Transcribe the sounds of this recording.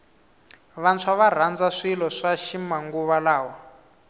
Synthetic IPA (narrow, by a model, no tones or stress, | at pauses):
βant͡sʰwaβar̤and͡zaʂilɔʂaʃimaŋɡuβalaːwɔ